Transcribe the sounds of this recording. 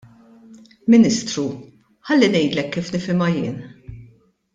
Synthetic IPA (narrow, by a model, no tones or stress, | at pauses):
mɪnɪst̪ɾu | ħɐlːinɛjd̪lɛkːiːfnɪfɪmɐjɪ̰ːn